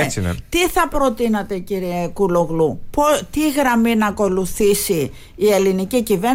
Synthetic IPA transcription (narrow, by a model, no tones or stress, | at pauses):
sḛt̪iθɐpɾo̞t̪inɐt̪e̞ciɾiekuloɣlupot̪iɣɾɐminɐko̞luθisiː | e̞linicicive̞